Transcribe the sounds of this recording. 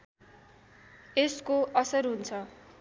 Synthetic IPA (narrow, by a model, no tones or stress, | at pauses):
eskoʔʌsʌrɦunt͡sʰʌ